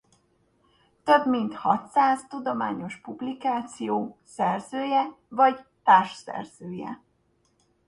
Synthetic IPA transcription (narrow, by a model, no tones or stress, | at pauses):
t̪ø̞bmint̪hɒt̪saːzt̪ud̪o̞ma̰ːɲo̞ʃpublikaːt̪sijoːsɛrzøːjɛvɒɟt̪aːrʃsɛ̰rz̥øːjɛ̰